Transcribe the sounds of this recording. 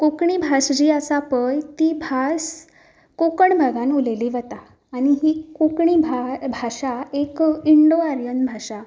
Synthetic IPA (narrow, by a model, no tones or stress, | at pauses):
kokɳibʱasd͡ʑiːasapəjt̪iːbʱas | kokəɳbʱəɡãnuleliːʋət̪aː | ɽ̃iɦiːkokɳiːbʱabʱaʂaekiɳɖoaɾjənbʱaʂa